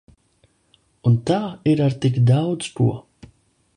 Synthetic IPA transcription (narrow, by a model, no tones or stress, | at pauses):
unt̪aːiɾaɾt̪ikd̪awd̪z̥kṵɔ